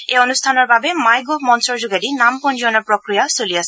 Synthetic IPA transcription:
eonust̪ʰanoɾbʱabemajɡomɔnsoɾd͡ʑuɡaɖinampond͡ʑoonaɾpɾokɾijasoliasʰ

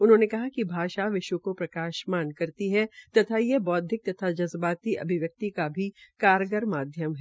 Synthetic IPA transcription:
ʊnɦõːnekɐɦakibʱaːʃaʋɪʃwəkopɾɐkaːʃmaːnkɐɾt̪iɦɛt̪ɐt̪ʰajebɔːt̪̚d̪ʱɪk̚t̪ɐt̪ʰad͡ʒɐzbaːt̪iʔɐ̰bʱɪʋjək̚t̪ikabʱikaːɾɡəɾmaːd̪ʱjəmɦɛ

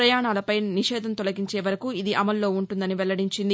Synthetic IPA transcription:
ɾɐjaːɳaːlɐpɐjniʃɛːd̪ʱɐnt̪ɔlɐɡiɲt͡ʃeːʋɐɾɐkuid̪iʔɐmɐlːo̞ːuɳʈund̪ɐniʋɛlːɐɽiɲt͡ʃind̪i

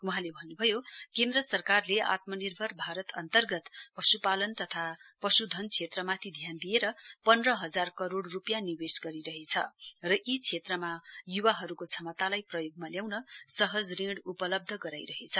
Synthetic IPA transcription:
wuɦãlebʱʌnːubʱʌjokẽnd̪rʌsʌrkarlea̰t̪mʌnirbʱʌrbʱaɾʌt̪ʌnt̪ʌrɡʌt̪pʌsupalʌnt̪ʌt̪ʰapʌsud̪ʱʌnt͡sʰet̪rʌmat̪ʰid̪ʱjand̪ijeɾʌpʌnrʌɦʌd͡zarkʌɾoɽrupjaniwesɡʌɾiɾʌɦet͡sʰʌ̰rʌʔit͡sʰet̪rʌmajuwaɦʌɾukot͡sʰʌmʌt̪alajprʌjoɡ̚maljawnʌsʌɦʌd͡zrĩɽupʌlʌb̚d̪ʱʌɡʌɾajɾʌɦet͡sʰʌ

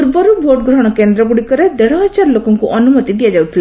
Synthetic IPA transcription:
ɾbɔɾubʱoʈ̚ɡɾɔɦɔɽ̃ɔkend̪ɾɔbuɽikɔɾed̪eɽɔɦɔt͡ʃaɾlokɔŋkuʔɔnumɔt̪id̪ijad͡ʒawt̪ʰile

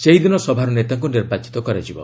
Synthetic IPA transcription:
seɦjd̪inɔsɔbʱaɾɔnet̪aŋk̬uniɾbat͡ʃi̥t̪ɔkɔɾad͡ʒibɔ

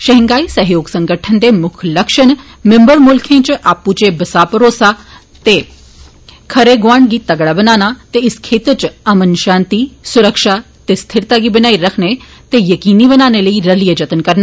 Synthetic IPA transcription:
ʃɐɦɪ̃ŋɡaːisɐɦjoːɡsɐ̃ŋɡəʈʰənd̪emʊkʰlɐkʃən | mɪ̃mbəɾmʊlkʰẽt͡ʃʔaːput͡ʃebɐsaːpəɾoːsa | t̪e | kʰɐɾeɡʋaːɳɖɡit̪ɐɡɽabɐnaːnat̪eɪskʰeːt̪ət͡ʃɐmənʃãːnt̪isʊɾəkʃa | t̪est̪ʰɪɾt̪aːɡibɐnaːiɾɐkʰnet̪ejɐkiːnibənaːneləiɾɐlijəd͡ʒɐt̪ənkɐɾna

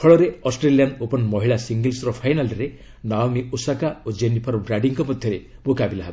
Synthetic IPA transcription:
kʰɔɭɔɾeɔsʈɾelijanopɔnmɔɦiɭasiŋɡelsɾɔpʰajnalɾe | naɔmiusakaod͡ʒenipʰɔɾbɾaɖiŋkɔpɔd̪ʱjɔɾebokabilaɦab

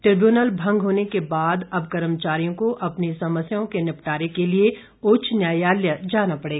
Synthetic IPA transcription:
ʈɾɪbjuːnəlbʱɐ̃ŋɡɦoːnekebaːd̪ɐbkɐɾəmt͡ʃaːɾijõkoʔɐpnisɐməsjaõkenɪpʈaːɾekelie | ʊːt͡ʃʰnjaːjaːljəd͡ʒaːnapɐɽeːɡaː

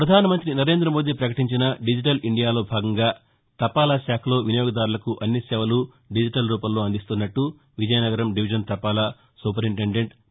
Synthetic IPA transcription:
pɾɐd̪ʱaːnɐmɐnt̪ɾinɐɾe̞ːnd̪ɾɐmo̞ːd̪iːpɾɐkɐʈiɲt͡ʃinɐɖid͡ʒiʈɐliɳɖijaːlo̞ːbʱaːɡɐŋɡaː | t̪ɐpaːlaːʃaːkʰɐlo̞ːʋinɐjoːɡɐd̪aːɾulɐkuʔɐnːisɛːʋɐlu | ɖid͡ʒiʈɐlɾuːpɐlːo̞ːɐnd̪ist̪unːɐʈːu | ʋid͡ʒɐjɐnɐɡɐɾɐmɖiʋid͡ʒɐnt̪ɐpaːlaː | suːpɐɾiɳʈeɳɖe̞ɳʈ

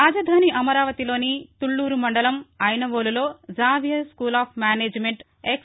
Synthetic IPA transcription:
ɾaːd͡ʒɐd̪ʱaːniʔɐmɐɾaːʋɐt̪ilo̞ːnit̪uɭːuːɾumɐɳɖɐlɐmɐjnɐʋoːlulo̞ːd͡ʒaːʋjɐskuːlaːpʰmʲaːneːd͡ʒmeɳʈ | ek

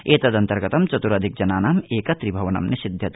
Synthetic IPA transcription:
eːt̪ɐd̪ɐnt̪ɐɾɡɐt̪ɐmt͡ʃɐt̪uɾɐd̪ʱik̚d͡ʒɐnaːnaːmeːkɐt̪ɾibʱɐʋɐnɐ̰mnesid̪ʱjɐt̪

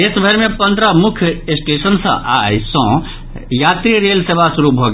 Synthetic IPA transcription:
esbʱəɾmepə̃nd̪ʱɾəmukʰjesʈesənsə̰̃ʔa̰jsə̃ | jat̪ɾiɾelsebʱasuɾubʱɔɡe

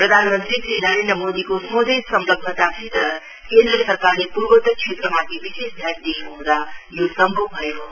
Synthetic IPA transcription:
pɾəd̪ʱanmənt̪ɾitinəɾend̪ɾəmod̪ikosmõd̪ʱesʌmləɡ̚d̪ʱət̪abʱit̪ə | kẽnd̪ɾəsəɾkaɾlepuɾbət̪ət͡ʃʰet̪ɾəmat̪ʰebisesd̪ʱjaʈd̪epɐɦũd̪ajosʌmbobʱʌeɦo

